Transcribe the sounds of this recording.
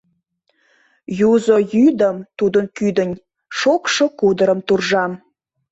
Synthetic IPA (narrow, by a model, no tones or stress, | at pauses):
juzojyd̪əmt̪ud̪ənkyd̪ənʲ | ʃokʃokud̪əɾəmt̪urʒɑm